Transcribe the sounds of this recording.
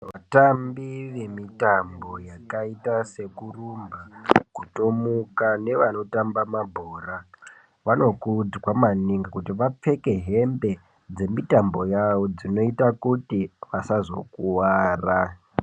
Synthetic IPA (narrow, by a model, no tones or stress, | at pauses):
ʋatambiʋe̞mitambo̞jakaitase̞kurumbakutomukane̞ʋano̞tambamabʱoːra | ʋano̞kud͡zwamaniŋɡakutiʋap͡fe̞ke̞ɦe̞mbe̞ | d͡ze̞mitambo̞jaʋo̞d͡zino̞itakutiʋasazo̞̰kuwaːra